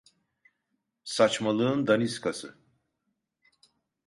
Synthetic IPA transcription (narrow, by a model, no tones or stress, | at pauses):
sat͡ʃmalˠɯɯnd̪aniskʰasɯ